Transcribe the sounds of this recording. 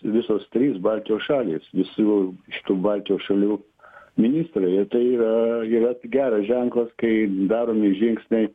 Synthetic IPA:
ʋʲɪsoːst̪ʲɾʲiːsbɑlʲt̪ʲɪjoːsʃɑːlʲḭːsʋʲɪsuːʃʲɪ̥t̪uːbɑlʲt̪ʲɪjoːsʃɐlʲuː | mʲɪnʲiːst̪ɾɐɪɪt̪ɐɪiːɾɐiːɾɐɡʲæːɾɐsʒʲɛŋklˠɐskɐɪd̪ɑːɾoːmɪʒʲɪŋksʲnʲɛɪ

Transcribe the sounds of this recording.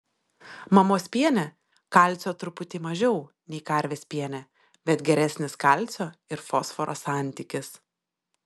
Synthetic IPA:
mɐmoːsʲpʲiɛnʲɛ | kɐˑlʲt̪sʲoːt̪ɾʊpʊt̪ʲɪmɐʒʲɛʊ | nʲɛɪkɐɾʲʋʲeːspʲiɛnʲɛ | bʲɛt̪ɡʲɛɾʲɛsʲnʲɪskɐˑlʲˑt̪sʲoːɪɾfɔsfɔɾʔo̰sɑˑnʲˑt̪ʲikʲɪs

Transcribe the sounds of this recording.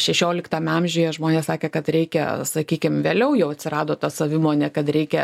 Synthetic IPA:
ʃʲɛʃʲoːlʲɪkt̪ɐmʲɐmʲʒʲʊjɛʒmoːnʲeːsɑːkʲeːkɐt̪ɾʲɛɪkʲɛ̰sɐkʲiːkʲɪmʋʲeːlʲɛʊjɛʊɐt̪ʲsʲɪrɑːd̪oːt̪ɐsɐʋʲɪmoːnʲɛkɐt̪ɾʲɛɪkʲɛ

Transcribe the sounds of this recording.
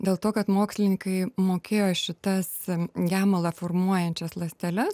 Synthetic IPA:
d̪ʲeːlˠt̪oːkɐt̪moːksʲlʲɪnʲɪkɐɪmoːkʲeːjoːʃʲɪt̪ɐsɡʲæːmolˠɑfoːrmuɔjɛnʲt͡ʃʲɛslˠɐsʲt̪ʲɛlʲɛs

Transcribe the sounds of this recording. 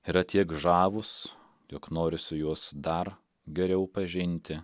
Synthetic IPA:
iɾɐt̪ʲiɛkʒɑːʋʊs | jɔknoːɾʲɪsʊjuɔsd̪ɐɾ | ɡʲɛɾʲɛʊpɐʒʲɪnʲt̪ʲɪ

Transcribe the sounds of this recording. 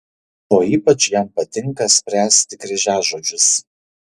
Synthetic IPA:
oːiːpɐt͡ʃjɛˑmpɐt̪ʲɪŋˑkɐsʲpʲɾʲæːsʲt̪ʲɪkɾʲɛʒʲæːʒoːd͡ʒʲʊs

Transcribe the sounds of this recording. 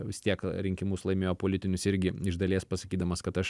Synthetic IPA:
ʋʲɪst̪ʲiɛkɾʲɪŋʲkʲɪmʊslˠɐɪmʲeːjoːpoːlʲɪt̪ʲɪnʲʊsɪɾʲɡʲɪɪʒd̪ɐlʲiɛspɐsɐkʲiːd̪ɐmɐskɐt̪ɐʃ

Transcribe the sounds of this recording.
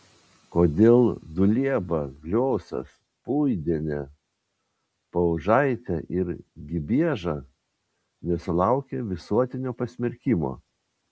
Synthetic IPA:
koːd̪ʲeːlˠd̪ʊlʲiɛbɐɡlʲoːsɐ̰s | puːjd̪ʲiɛnʲɛ | pɐʊʒɑɪt̪ʲɛʔɪɾɡʲɪbʲiɛʒɑː | nʲɛsʊlˠɑˑʊkʲɛʋʲɪsuɔt̪ʲɪnʲoːpɐsʲmʲɪɾʲkʲɪmo̰ː

